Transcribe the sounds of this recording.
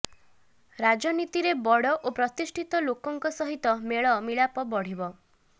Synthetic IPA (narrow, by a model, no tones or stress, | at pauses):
ɾad͡ʒɔnit̪iɾebɔɽɔʔopɾɔt̪isʈʰit̪ɔlokɔŋkɔsɔɦit̪ɔmeɭɔmiɭapɔbɔɽ̤ibɔ